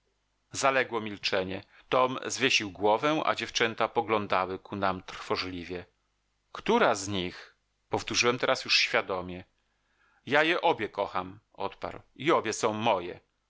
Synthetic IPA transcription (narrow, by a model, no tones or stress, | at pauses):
zalɛɡwɔmʲilt͡ʂɛɲɛ | t̪ɔmzvʲjeɕiwɡwɔvɛʔa̰d͡ʑɛft͡ʂɛnt̪apɔɡlɔnd̪awɘkʰunamt̪ɾfɔʐlʲivʲjɛ | kt̪uɾazɲix | pɔft̪uʐɨwɛmt̪ɛɾasjuʂɕfʲjad̪ɔmʲjɛ | jajɛʔɔbʲjɛkɔxam | ɔt̪pa̰ɾwiɔbʲjɛsɔ̃w̃mɔjɛ̰